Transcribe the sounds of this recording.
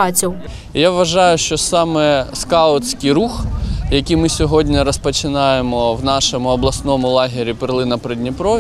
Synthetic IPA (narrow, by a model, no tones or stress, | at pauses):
ɑt͡sʲiw | jaʋʋɐʒɑjʊʃt͡ʃɔsɑmɛskɑɔt͡sʲkijɾuxjɐkʲijmɪsʲɔɦɔdʲnʲɐɾɔspɔt͡ʃɪnɑjemɔwnɑʃɔmʊɔblˠɐsnɔmʊlˠɑɦʲɪɾʲipɪɾlˠɪnɐpɾɛdʲnʲipɾɔ